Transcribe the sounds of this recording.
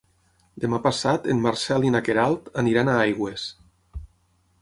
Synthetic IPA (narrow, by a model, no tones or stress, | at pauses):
d̪emapasat̪ḛnmaɾsɛlinakeɾalˠt̪aniɾanaajɣwes